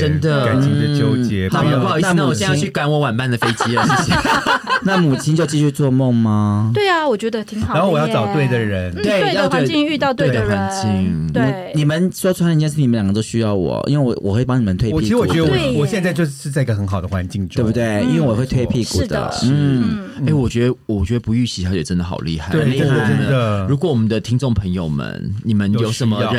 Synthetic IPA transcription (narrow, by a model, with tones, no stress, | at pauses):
ʈ͡ʂə˥nd̪ə˨a˨˩nt͡ɕ̩ʰĩ˥˧ŋ˥˧t͡ɕjo˥ʊt͡ɕjɛ˥a˨˥˩na˥˨˥mu˨˩t͡ɕt͡ɕɛ˥˧˥ĩ˥ŋʰy˥˩ka˨˩nwɔ˧˥wa˨˩npa˥˩nd̪ə˩fe˥ɪt͡ɕi˥ə˥˩˥na˥˩mu˨˩t͡ɕʰi˥nt͡ɕjo˥˧ʊt͡ɕi˥˧ɕy˥˧t͡swɔ˥˧mo˥˩ŋmɐ˦we˥˩ɪɐ˩wɔ˨˩t͡ɕɥɛ˧˥d̪ə˧t̪ʰi˧˥ŋ˨a˧nxo˥˩ʊwɔ˨jɑ˥˩ʊʈ͡ʂɑ˨˩ʊt̪we˥˩ɪd̪ə˨˩ɻə˧˦nt̪we˥˩ɪ˥jɑ˥˧t̪t͡ɕi˥˧y˥˧ɑ˥˧ʊt̪we˥˩d̪ə˨˩xwa˧˥nt͡ɕi˥˧ŋ˧i˧ni˨˩mə˦nsw̩̪ʰ˥˩˥ljŋɡə˧t̪o˥ʊɕy˦˥jɑ˥˩ʊwɔ̰˨˩ʔḭ˥nwe˥˩wɔ˨˩wɔ˨˩xwe˥˩˨pɑ˥ŋni˨˩mə˨nt̪ʰwe˥˧ɪi˥˧i˥ɻwɔ˨t͡ɕɛ˧˥ə˧˨wɔ˨˩ɕjɛ˥˧nt͡sa˥ɪt͡ɕjo˥˧ʊ˥ʂɻ̩˥˧t͡sa˥˩ɪi˦ɡə˩xə˧˥nxɑ˨˩ʊd̪ə˦xwa˧˦nt͡ɕi˥˧ŋe˥˧˩bu˥˩t̪we˥˩ɪḭ˥nwe˥˩wɔ˨˩xwe˥˧ɪt̪ʰwe˥˧ɪpʰi˥˧ku˥˩˥d̪ə̰˩n̩˥˩e˥˩ɪwɔ˨t͡ɕɥɛ˧˥d̪ə˧wɔ˨˩t͡ɕɥɛ˧˥d̪ə˧pu˧˥y˥˩ɕi˧˥a˧˥˩jɛ˨˩ʈ͡ʂə˦˥nd̪ə˨˩xɑ̰˨˩ʊlḭ˥˧xa˥˩ɪe˧˩˥ɔ˨˩ə˦nd̪ə˨ɻu˧˥kwɔ˧˦wɔ˨˩mə˦nd̪ə˧t̪ʰi˥ŋʈ͡ʂo˥˩ŋpʰə˧˥ŋjo˨ʊmə̰˧˦nni˨˩mə˦njo˨˩ʂə˨˦mə˧